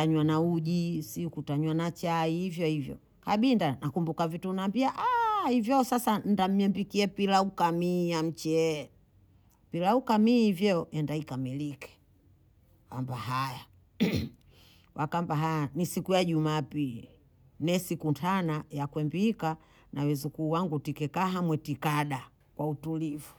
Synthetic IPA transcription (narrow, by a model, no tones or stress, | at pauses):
aɲwanauʄisikutaɲwanat͡ʃaihivjɔhivjɔ̰ | kaɓindanakumbukavitunambiaʔahivjɔsasan̩dam̩jɛmbikiɛpilaukamijam̩t͡ʃɛ | pilaukamihivjɔɛndaikamilikɛ̥ | kambaɦaja | wakambaɦajanisikujaʄumaːpili | nɛsikuntʰanajakwɛmbika | nawɛzukuːwaŋɡutikɛkaɦamwɛtikaɗa | kwautulivu